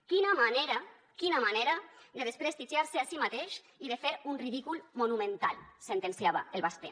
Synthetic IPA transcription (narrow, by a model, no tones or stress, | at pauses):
kinamaneɾa | kinamaneɾad̪eðespɾest̪iʒiaɾseasimat̪eʃ | iðefeɾunriðikulmonumẽnt̪alsent̪ensjaβa̰elβast̪e